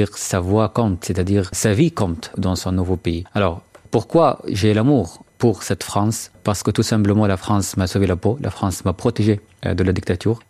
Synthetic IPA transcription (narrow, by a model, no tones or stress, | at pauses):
iʁsavwakɔ̃t̪set̪ad̪iːʁsavikɔ̃t̪d̪ɑ̃sɔ̃nuvopeialɔːʁpuʁkwaʒelamuːʁpuʁsɛt̪fχɑ̃spaʁsə̥kət̪usɛ̃mpləmɑ̃lafχɑ̃smasovelapolʔa̰fχɑ̃smapχɔt̪eʒḛ | d̪əlad̪ik̚t̪at̪yːʁ